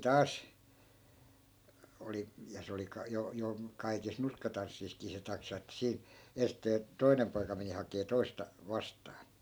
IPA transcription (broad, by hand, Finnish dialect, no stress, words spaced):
tɑːs oli jɑ se oli kɑ jo jo kɑikis nurkːɑtɑnsːiːskiː se tɑksɑ etːæ siːn̞ ensteː toi̯nem poikɑ meni hɑkeː toistɑ ʋɑstɑːn